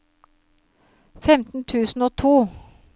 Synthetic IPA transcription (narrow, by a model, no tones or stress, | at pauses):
fɛmt̪n̩t̪ʰʉːsn̩oːt̪ʰuː